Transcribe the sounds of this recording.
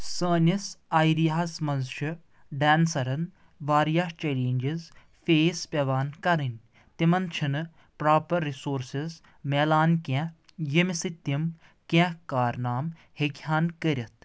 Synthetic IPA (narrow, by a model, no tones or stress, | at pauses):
səːnʲisaːjɾijasmɐnzʃɨ | ɖɛːnsɐɾɐn | ʋaːɾjaːt͡ʃeːleːnʲd͡ʒiz | feːspʲɐʋaːnkɐɾɨnʲ | t̪imɐnt͡ʃʰinɨ | pɾaːpɐɾːisoːɾsiz | meːlaːnkʲɛ̃ | jimisɨt̪ːim | kɛ̃kaːɾnaːm | heɡjaːnkəɾʲɐt̪̚ʰ